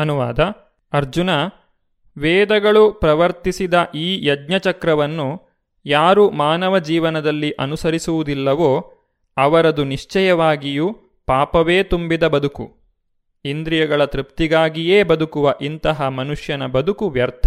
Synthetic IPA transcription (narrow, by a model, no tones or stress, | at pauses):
ɐnuʋa̰ːd̪ɐ | ɐɾd͡ʒunɐ | ʋɛːd̪ɐɡɐɭupɾɐʋɐɾt̪isid̪ɐʔiːjɐdɲɐt͡ʃɐkɾɐʋɐnːu | jaːɾumaːnɐʋɐd͡ʒiːʋɐnɐd̪ɐlːiʔɐnusɐɾisuʋud̪ilːɐʋoː | ɐʋɐɾɐd̪uniʂt͡ʃɐjɐʋaːɡiju | paːpɐʋeːt̪umbid̪ɐbɐd̪ukṵ | ind̪ɾijɐɡɐɭɐt̪ɾipt̪iɡaːɡijeːbɐd̪ukuʋɐʔint̪ɐɦɐmɐnuʂjɐnɐbɐd̪ukuʋjɐɾt̪ʰɐ̥